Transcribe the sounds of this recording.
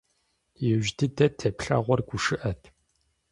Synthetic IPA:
jɛʒdɨdɐtʰːɐpɬɐ̰ːʁʷɔrɡʷʊʂɨʔɐtʰ

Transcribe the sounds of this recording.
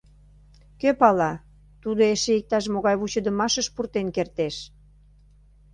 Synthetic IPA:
køpɑlɑ | t̪ud̪oeʃeik̚t̪ɑʃ̬moɣɑjβut͡ɕəd̪ə̆mɑʃəʃpurt̪enkert̪eʃ

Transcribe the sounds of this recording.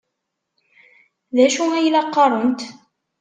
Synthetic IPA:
ðæʃuæjlæqːɑɾˤənt̪

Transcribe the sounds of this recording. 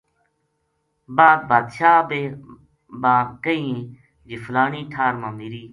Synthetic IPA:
baːd̪̚baːd̪ʃaːbeː | bãːkəĩː | d͡ʒɪflaːniːʈʰaːɾmãːmiɾiː

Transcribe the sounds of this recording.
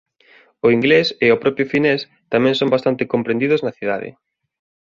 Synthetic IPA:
ʊiŋɡleseʊpɾɔpjʊfines | t̪amɛ̃ŋsõmbast̪ant̪ɪkompɾẽnd̪iðʊznɐθiðaðɪ̰

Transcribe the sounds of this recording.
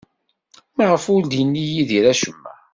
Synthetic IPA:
mʁəfuld̪inːijiðiɾæʃəmːæ̰

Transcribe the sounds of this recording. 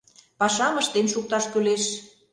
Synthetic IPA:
pɑʃɑmə̆ʃt̪emʃuk̚t̪ɑʃkyleʃ

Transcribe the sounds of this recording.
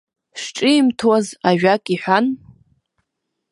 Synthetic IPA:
ʂʈ͡ʂʼɨːmtʰwazaʒᶣakʼiħʷᶣan

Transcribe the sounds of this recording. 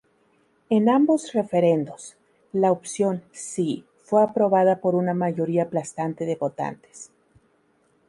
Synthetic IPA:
e̞nambo̞sre̞fe̞ɾend̪o̞s | laopsjo̞nsi | fwe̞apɾo̞βaðapo̞ɾunamaʝo̞ɾiaplast̪ant̪e̞ðe̞βo̞t̪a̰nt̪e̥s

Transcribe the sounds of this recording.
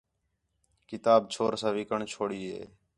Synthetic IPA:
kɪt̪aːbt͡ʃʰoːɾsãːʋɪkəɳt͡ʃʰoːɽiːɦḛː

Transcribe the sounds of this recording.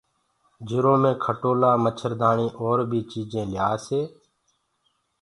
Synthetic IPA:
d͡ʒɪɾõːmẽːkʰəʈoːlaːmət͡ʃʰəɾd̪aːɳiːʔoːɾbʱiːt͡ʃiːd͡ʒẽːljaːseː

